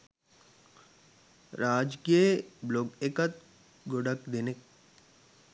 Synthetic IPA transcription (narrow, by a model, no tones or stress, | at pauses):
ɾaːd͡ʒkiebloːɡekət̪̚ | ɡoɖəkd̪enɪk̚